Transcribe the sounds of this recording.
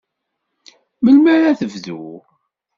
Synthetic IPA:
məlmæɾæθəvðṵ

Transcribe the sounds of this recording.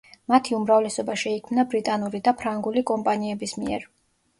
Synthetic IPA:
mat̪ʰiumɾavlɛsɔbaʃɛikʰmnabɾit̪ʼanuɾid̪apʰɾaŋɡulikʼɔmpʼaniɛbismḭɛ̰ɾ

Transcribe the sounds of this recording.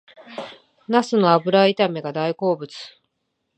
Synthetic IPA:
nasɨno̞abɯ̟ɾait̪ameɡad̪aiko̞ːbɯ̟t͡sɨ̥

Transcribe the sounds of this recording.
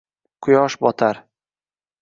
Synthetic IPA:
qʰʊjɒʃbɒt̪ʰaɾ

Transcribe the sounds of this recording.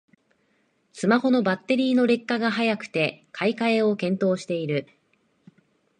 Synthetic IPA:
sɨmaho̞no̞bat̪ːe̞ɾʲiːno̞ɾe̞kːaɡaɦajakɯ̟̥t̪e̞kʰaikaeo̞kẽ̞nt̪o̞ːɕi̥t̪e̞iɾɯ̟

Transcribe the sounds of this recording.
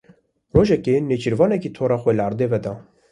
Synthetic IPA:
roːʒɛkeːneːt͡ʃiɾvɑːnɛkiːt̪ʰoːɾɑːxʷɛləɑɾd̪eːvɛd̪ɑː

